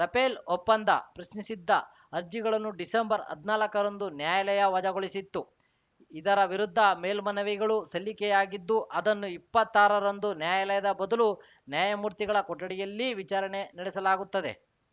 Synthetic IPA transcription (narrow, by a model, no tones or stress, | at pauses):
ɾɐpeːlɔpːɐnd̪ʱɐ̰pɾɐʃnisid̪ːɐ | ɐɾd͡ʒiɡɐɭɐnːuɖisembɐɾɐ̰d̪ʱnaːlɐkɐɾɐnd̪unjaːjɐlɐjɐʋɐd͡ʒɐɡoɭisit̪ːu | id̪ɐɾɐʋiɾud̪ʱːɐme̞ːlmɐnɐʋiɡɐɭusɐlːikɛjaːɡid̪ːuʔɐd̪ɐnːuipːɐt̪ːaːɾɐɾɐnd̪unjaːjɐlɛjɐd̪ɐbɐd̪ɐlu | njaːjɐmuːɾt̪iɡɐɭɐkɔʈːɐɽijɐlːiʋit͡ʃaːɾɐne̞nɐɽɛsɐlaːɡut̪ːɐd̪e̞̰